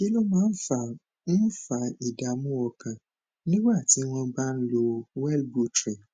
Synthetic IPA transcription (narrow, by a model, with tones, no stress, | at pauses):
i˦lo˦mãː˦n̩˦fa˦˨ | n̩˦fa˧i˨da˨˦mũ˦ɔ˧kã˨ | nĩ˦wa˦˨ti˨˦w̃ɔ̃˧ba˦n̩˦lo˧wɛ˦lbu˦tɾi˨